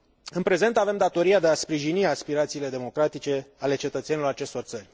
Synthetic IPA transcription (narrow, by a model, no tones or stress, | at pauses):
ɨnpɾe̞ze̞nt̪ave̞md̪at̪o̞ɾiad̪e̞aspɾiʒiniaspiɾat̪siːle̞d̪e̞mo̞kɾat̪it͡ʃe̞ale̞t͡ʃe̞t̪ət̪seilo̞ɾat͡ʃe̞st̪o̞rt̪sərʲ